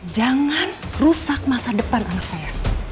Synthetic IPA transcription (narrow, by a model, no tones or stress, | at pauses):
d͡ʒaŋan | rusak̚masadəpanʔaŋaksaja